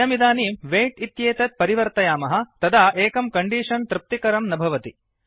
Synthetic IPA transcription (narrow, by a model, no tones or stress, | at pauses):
ɐmid̪aːniːmʋeːʈit̪jeːt̪ɐt̪̚pɐɾiʋɐɾt̪ɐjaːmɐɦɐ̆t̪ɐd̪ʱaːʔeːkɐmkɐɳɖiːʂɐnt̪ɾɪp̚t̪ikɐɾɐmnɐbʱɐʋɐt̪i